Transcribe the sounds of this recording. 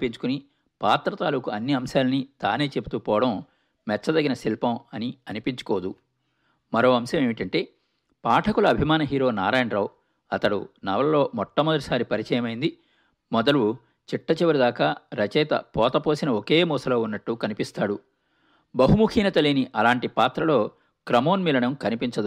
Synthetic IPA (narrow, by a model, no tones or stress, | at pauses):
piɲt͡ʃu̥kuni | paːt̪ɾɐt̪aːluːkuɐnːiɐmʃaːlɐnid̪̥a̰ːne̞ːt͡ʃebut̪uːpɔːʋɐɽɐm | mɛt͡ʃːɐd̪ɐɡinɐsilpɐmɐniɐnipiɲt͡ʃu̥kɔːd̪u | mɐɾo̞ːɐmʃɐmeːmiʈɐɳʈe̞ː | paːʈʰɐkulɐːbʱimaːnɐɦiːɾo̞ːnaːɾaːjɐɳɖɾɐw | ɐt̪ɐɽṵnɐʋɐlɐlo̞ːmɔt̪ːɐmɐd̪ɐʈisaːɾipɐɾit͡ʃɐjɐmɐjind̪i | mɔd̪ɐlu | t͡ʃiʈːɐt͡ʃiʋɐɾid̪aːkaːɾɐt͡ʃɛːt̪ɐ̰pɔːt̪ɐpo̞ːsinɐoke̞ːmuːsɐlo̞ːunːɐʈːukɐnipist̪aːɽu | bɐɦumukʰiːnɐt̪ɐliːniʔɐlaːɳʈipaːt̪ɾɐlo̞ː | kɾɐmo̞ːnmiːlɐɳɐmkɐnipiɲt͡ʃɐd̪u